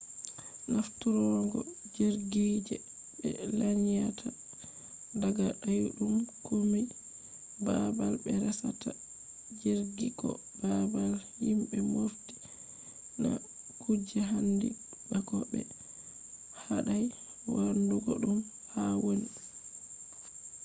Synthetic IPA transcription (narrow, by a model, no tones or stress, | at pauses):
naftuɾɔŋɡɔd͡ʒiɾɡid͡ʒɛ | bɛ̰laɲijatʰa | daɡaʔajuɗumkʰumij | babalbɛɾɛsatʰa | d͡ʒiɾɡiɡɔ̰ | babalhimbɛmofti̥ | na | kud͡ʒɛɦandi | bakɔbɛ | haɗaj | wanduɡɔɗum | hawoni